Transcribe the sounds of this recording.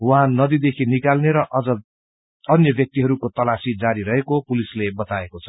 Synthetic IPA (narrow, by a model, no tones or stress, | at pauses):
wʌɦãnʌd̪id̪ekʰinikalneɾʌʔʌd͡zʌ | ʌnjʌbjʌk̚t̪iɦʌɾukot̪ʌlasid͡zaɾiɾʌɦekopulislebʌt̪aekot͡sʰʌ̥